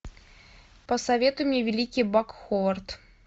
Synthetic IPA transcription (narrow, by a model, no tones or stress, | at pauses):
pɐsɐvʲet̪ʊmʲevʲelʲikʲibakxɔvɐrt̪